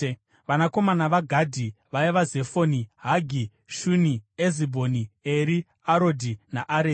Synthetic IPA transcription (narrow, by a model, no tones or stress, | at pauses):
ʋanako̞manaʋaɡʱadʱiʋaiʋaze̞foniɦaɡʱi | ʃuniezibʱo̞nieɾi | aɾo̞dʱinaʔaɾe